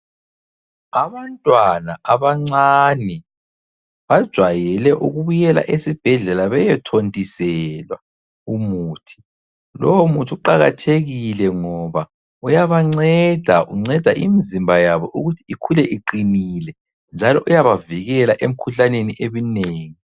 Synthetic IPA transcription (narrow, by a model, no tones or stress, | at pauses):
aβantʼwanaaβaŋ͡ǀaːnɛ | βad̥ʒ̥ʱwajɛlɛʔuɣuβujɛla̰ʔesib̥ʱɛɮɛlaβɛjɛtʰontʼisɛlwa | umuːtʰi̥ | lowomutʰiuǃaɣa̰tʰeɣilɛŋɔβa | ujaβaŋ͡ǀɛd̥ʱaʔuŋ͡ǀɛd̥ʱaʔimizimbʱajaβɔʔuɣutʰiikʰulɛʔiǃinilɛ | nd͡ʒʱalɔʔujaβaviɣɛlaʔem̩kʰuɬaneniʔemineːŋi